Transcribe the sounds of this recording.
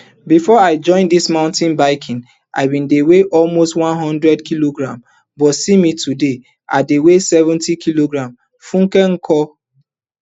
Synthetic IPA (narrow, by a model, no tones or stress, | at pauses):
bifɔaɪd͡ʒɔ̃ɪ̃ndismãʊ̃ntĩnbaɪkʰĩn | ʔa̰ɪbĩndeweʔɔlmostwãnɦɔ̃ndɹɛdkʰiloɡɹãm | bɔtsimitʰude | ʔa̰dewesɛvɛ̃ntikʰiloɡɹãm | fũŋkɛ̃nkʰɔ